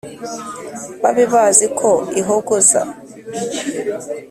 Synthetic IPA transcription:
βaβiβazikʰoiɦoɡoza̰

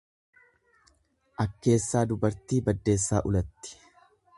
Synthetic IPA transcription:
ʔɐkːe̞ːsːaːd̪ʊbɐɾt̪iːbɐd̪ːe̞ːsːa̰ːʔʊlɐt̪ːɪ̥

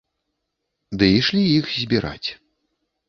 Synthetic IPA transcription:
d̪ɨiʂlʲijixzʲbʲiɾa̰t͡sʲ

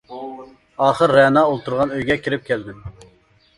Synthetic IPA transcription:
ɑːχəɾːɛnɑːolˠt̪uɾʁɑnøjɡʲɛkʲʰiɾɪp̚kʲʰæld̪ɪm

